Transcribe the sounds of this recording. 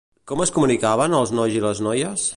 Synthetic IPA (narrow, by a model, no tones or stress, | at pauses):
kɔməskumunikaβ̞ənəlˠznɔjziləznɔjəs